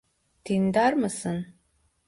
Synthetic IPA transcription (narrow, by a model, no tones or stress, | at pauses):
d̪̥ʰind̪armɨsɨn